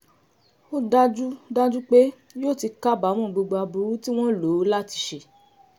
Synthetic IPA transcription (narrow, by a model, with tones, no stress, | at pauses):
o˦da˦d͡ʒu˦da˦d͡ʒu˦k͡pe˦ | joː˦˨ti˧ka˦˨ba˨˦w̃ɔ̃˦˨ɡ͡bo˧ɡ͡ba˧bu˨˦ti˦w̃ɔ̃˦lo˨˦la˦ti̥˧ʃe˧˨